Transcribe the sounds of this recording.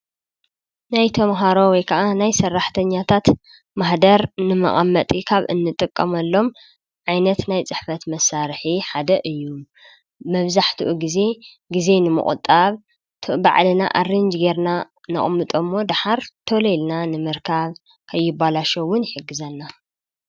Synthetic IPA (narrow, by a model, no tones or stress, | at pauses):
najt̪ʰɐmɦaɾo̞wɔjkʰɐʔanajsɐrːaħt̪ʰɐɲːat̪ʰat̪ | maħd̪ɐɾnɨmɐ̰ʔʼɐ̰mːɐt̪ʼikʰaβɨ̰nːɨt̪ʼɨkʼːɐmɐlːo̞m | ʕajnɐt̪najt͡sʼɨħfɐt̪mɐsaɾħiħad̪ɐʔɨjːu | mɐβzaħt̪ʰuʔuɡize̞ | ɡize̞nɨmɨ̰χʼʊ̰t̪ʼːaβ | t̪ʰba̰ʕlɨna̰ʔarːɨnd͡ʒɡe̞ɾna | nɐ̰χʼmːɨt̪ʼomːo̞d̪aħaɾt̪ʰolelnanɨmɨɾkʰaβ | kʰɐjːɪbalaʃɐwːʊnħɨɡːɨzɐnːa